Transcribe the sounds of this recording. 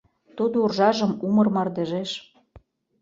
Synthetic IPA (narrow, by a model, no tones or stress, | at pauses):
t̪ud̪ourʒɑʒə̆mumɤrmɑrd̪eʒeʃ